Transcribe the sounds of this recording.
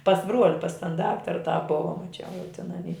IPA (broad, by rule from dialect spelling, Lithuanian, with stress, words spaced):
pɐs ˈbruɔlʲɪ pɐs tɐn ˈdɑːktɐrɐ tɑː ˈbʊʋɐ mɐˈt͡ʃʲɛʊ jɛʊ tʲɪn ɐˈnʲiː